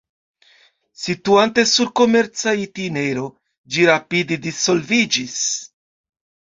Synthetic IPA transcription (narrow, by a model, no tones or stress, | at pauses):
sit̪uant̪e̞suɾko̞meɾt͡sait̪ineɾo̞ | d͡ʒiɾapid̪id̪iso̞lvid͡ʒis